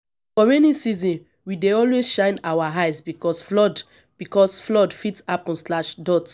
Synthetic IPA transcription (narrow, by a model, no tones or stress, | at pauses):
fɔɹɛnĩsizɔ̃n | wideɔlwezʃãɪ̃nawaɦajsbikɔsflɔd | b̥ikɔsflɔdfitapɔ̃nslaʃdɔt